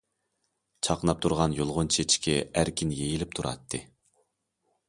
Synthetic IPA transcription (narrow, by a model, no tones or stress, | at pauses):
t͡ʃʰɑqnɑp̚t̪ʰuɾʁɑnjolˠʁʊnt͡ʃʰet͡ʃʰkʲʰɛæɾkʲʰinjejilɪp̚t̪ʰuɾɑ̰t̪ʰːɨ